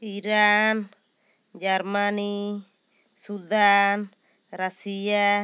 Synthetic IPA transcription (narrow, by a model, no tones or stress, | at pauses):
iɾan | d͡ʒaɾmani | sud̪an | ɾasija